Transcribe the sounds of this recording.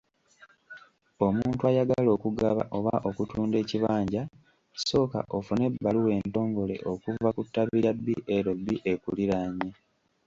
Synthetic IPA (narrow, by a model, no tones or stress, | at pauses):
o̞muːntwajaɡalo̞ːkuɡaβa̰ʔo̞βa̰ʔo̞kutuːnde̞ːciβaːɲɟa | so̞ːka̰ʔo̞fune̞bːaluwe̞ːnto̞ːŋɡo̞le̞̰ʔo̞kuvakutːaβiɾabːiʔeɾo̞bːiʔe̞kuliɾaɲe